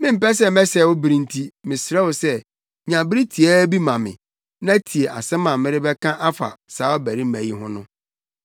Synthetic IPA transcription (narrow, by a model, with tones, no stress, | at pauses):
mɪ̃˦m̩˨pɛ˦s̬ɛ˦mɛ˦sɛ˨wʊ˦bɾĩ˦n̩˦tʰi˦mɪ̃˨sɪ˨ɾɛ˦wʊ˨sɛ˦ | ɲã˨bɪ˦ɾi˦tʰi˨æ˦bi˦mã˨mɪ̰̃˨ | nã˦tʰi˨e˨ʔa̰˨sɛ̃˦mã˨m˦mɪ̃˦ɾɪ˦bɛ˦kʰã˦ʔa˦fa̰˨saː˨˦ɔ˦bæ˨ɾi˦mæ̃˨ji˦ɦʊ̃˦nʊ̃˦